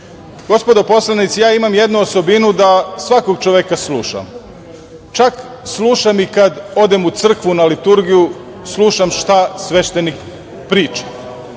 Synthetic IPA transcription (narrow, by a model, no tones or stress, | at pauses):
ɡ̥o̞spo̞d̪opo̞slanit̪sijaːimamjed̪nuoso̞binud̪asʋako̞ɡt͡ʃoʋekaslˠuːʃa̰m | t͡ʃak | slˠuːʃamikad̪o̞d̪e̞mut̪sr̩kʋunalit̪uɾɡiju | sluːʃamʃt̪asʋe̞ʃt̪enik | pɾiːt͡ʃe̥